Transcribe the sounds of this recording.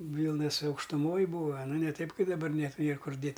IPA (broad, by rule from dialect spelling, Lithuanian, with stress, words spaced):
ˈʋʲiːlˠnɐs ɐʊkʃtʊˈmoːj ˈbuːɐ ɐˈnɐ nʲɛ ˈtɐɪp ˈkɐɪp dɐˈbɐr nʲɛt ˈnʲeːr ˈkʊr ˈdʲeːt